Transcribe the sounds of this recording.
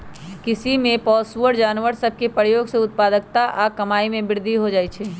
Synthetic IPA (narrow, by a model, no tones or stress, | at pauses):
kɪsimẽpɔːsʋəɖd͡ʒaːnʋəɾsɐb̚ʱkepəɾjoːɡseʊt̪̚paːd̪ək̚t̪aʔkɐmaːimẽbɪɾd̪ʱiɦod͡ʒaːit͡ʃʰɛː